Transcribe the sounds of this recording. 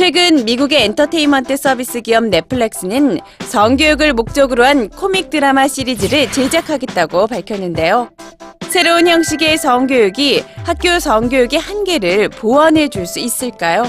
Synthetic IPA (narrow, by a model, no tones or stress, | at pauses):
t͡ɕʰwe̞ɡɯnmiɡuɡe̞ːntʰʌtʰe̞imʌntʰɯs͈ʰʌbis͈ɯɡiʌmne̞pʰɯɭːek̚s͈ɯnɯn | sʌŋɡjojuɡɯɭmok̚t͡ɕ͈ʌɡɯɾoɦankʰomik̚t͈ɯɾamaɕ͈ʰiɾid͡ʑiɾɯɭt͡ɕe̞d͡ʑakʰaɡe̞t̚t͈aɡopaɭkʰjʌnːɯnde̞jo | sʰe̞ɾounçjʌŋɕ͈iɡe̞sʌŋɡjojuɡihak̚k͈josʌŋɡjojuɡehanɡe̞ɾɯɭpoʌnɦe̞d͡ʑuɭs͈uis͈ɯɭk͈ajo